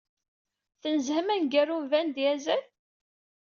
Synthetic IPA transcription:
θənzhmænɡærumvænd̪jæzæl

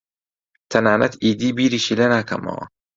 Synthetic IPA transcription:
t̪ʰɐnaːnɐt̪ʰiːd̪iːbiːɾiːʃilɐnaːkʰɐ̰mo̰ː

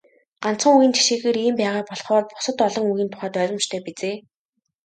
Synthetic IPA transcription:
ɢ̥an̥t͡sə̆ŋujĭːnt͡ɕʰi̥ʃeːxeːɾiːmpæːʁaːpɔɮχɔːrpʊ̥sə̆t̪ɔɮɞ̆ŋuɣiːnt̪ʰʊ̥χaːt̪œːɾʲɞ̆mt͡ɕt̪ʰœːpit͡seː

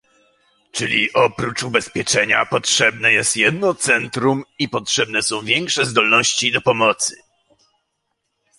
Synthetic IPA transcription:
t͡ʂɘlʲḭʔɔpɾut͡ʂubɛspʲjɛt͡ʂɛɲa̰pɔtʂɛbnɛjɛst̪jɛd̪̚nɔt̪sɛnt̪ɾumipɔtʂɛbnɛsɔ̃w̃vʲjɛŋkʂɛzd̪ɔlnɔɕt͡ɕid̪ɔpɔmɔt̪sɘ̰

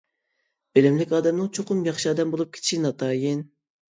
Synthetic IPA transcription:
bølɪmlɪkʲɑːd̪ɛmnɨŋt͡ʃʰoqʰʊmjɑχʃiɑːd̪ɛmbolˠup̚kʲʰe̥t̪ʰiʃinɑt̪ʰɑːjin

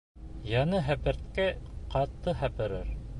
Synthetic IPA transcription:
jɑnɤɦæpɘ̆ɾt̪kæqɑt̪ːɤɦæpɘ̆ɾɘɾ

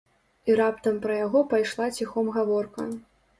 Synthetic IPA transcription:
iɾapt̪ɐmpɾɐjaɣɔpajʂlˠat͡sʲixɔmɣavɔrkɐ̰

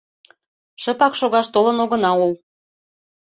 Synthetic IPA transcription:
ʃə̆pɑkʃoɣɑʃt̪olənoɣə̆nɑul

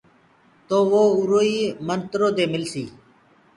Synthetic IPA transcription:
t̪oːʋoːʊɾoːiːmənt̪ɾoːd̪eːmɪlsiː

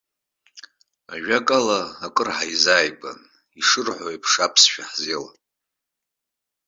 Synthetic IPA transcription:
aʒᶣakʼalaːkʼɨrħajzaːjba̰n | iʂɨrħʷoipʰʂapʰsʃᶣaħzela̰

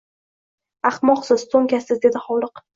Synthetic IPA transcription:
aχmɒχsɪssʰoŋkʲasɪzd̪e̞d̪ɪχɒlˠɨq

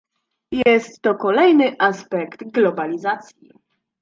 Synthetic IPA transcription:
jɛst̪ːɔkɔlɛjnɘʔaspɛkt̪ɡlɔbalʲizat̪sʲjḭ

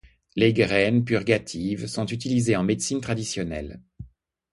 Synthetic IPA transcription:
leɡʁɛnpyʁɡʲat̪ʰivsɔ̃t̪yt̪ilizeɑ̃med̪sint̪χad̪isjɔnɛ̰l

